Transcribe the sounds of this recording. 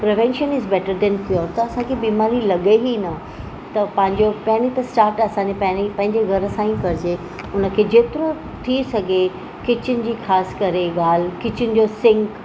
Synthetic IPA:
pɾɪʋɛ̃nʃənɪzbɛːʈəɾd̪ɛ̃npɪjot̪ɐɐsãkʰebiːmaːɾilɐɠeɦinɐ | t̪ɐpɐ̃ɦɪ̃ɲd͡ʑopɐɦɪñit̪ɐsʈaːɾʈɐsãɲepɐ̃ɦɪ̃nipɐ̃ɦɪ̃ɲd͡ʑeɡʱɐɾəsãĩkɐɾɪd͡ʑe | ʊnə̆kʰeːd͡ʑeːt̪ɪɾo | t̪ʰisɐɡʱe | kɪt͡ɕʊnɪ̆d͡ʑiːxaːskɐɾeɠaːl̤kɪt͡ɕʊnɪ̆d͡ʑosɪ̃ŋk

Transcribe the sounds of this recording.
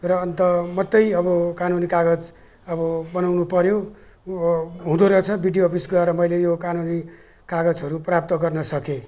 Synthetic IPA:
rʌʌnt̪ʌmʌt̪ːʌjʌbʌkanunikaɡʌd͡z | ʌbʌbʌnawnupʌɾjo | ɦũd̪oɾʌt͡sʰʌbiɖijoːpʰisɡʌeɾʌmʌjlejokanuni | kaɡʌd͡zɦʌɾuprap̚t̪ʌɡʌrnʌsʌke

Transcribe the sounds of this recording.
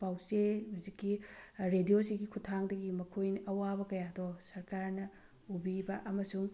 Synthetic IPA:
pawsehuzikːiɾedijosiɡikʰutʰaŋdɐɡimɐkʰojnɐʔɐwabɐkɐjadosɐɾkaɾnɐ | ubibɐʔɐmɐsuŋ

